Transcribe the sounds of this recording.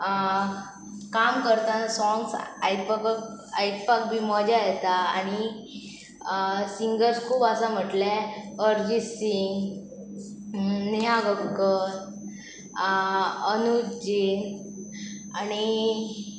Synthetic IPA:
kamkəɾt̪ãsɔŋɡsapaajʈpak̚bʱimɔd͡ʑajɛt̪aːɽ̃i | siŋɡəɾskʰuːbasam̤əʈlɛəɾd͡ʑisiŋɡ | niɦaɡəkːə | ənud͡ʑin | ani

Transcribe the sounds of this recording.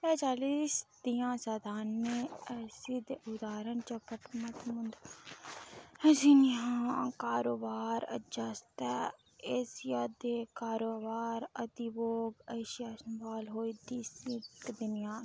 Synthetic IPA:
pɛːt͡ʃaːliːsd̪ijãːsad̪aːnːeːsɪd̪ʊd̪aːɾənt͡ʃəpət̪mət̪mʊnd̪ | sinɪãːkaːɾoːbaːɾə̰d͡ʒast̪ɛː | ɪsjad̪ekaːɾoːbaːɾəd̪iboːɡəɪʃjaːsəmbaːlɦoːiːd̪iːsid̪ʊnɪjãː

